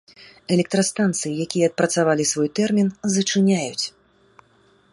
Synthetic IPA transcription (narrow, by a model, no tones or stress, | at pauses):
ɛlʲɛk̚t̪ɾɐst̪ant̪sɨjijakʲijɛːt̪̚pɾɐt̪savalʲisvɔjt̪ɛrmʲinzɐt͡ʂɨnʲajut͡sʲ